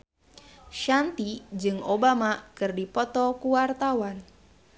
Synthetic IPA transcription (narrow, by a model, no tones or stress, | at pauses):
ʃant̪id͡ʒɨŋobamakɨrdipɔt̪ɔkuwart̪awan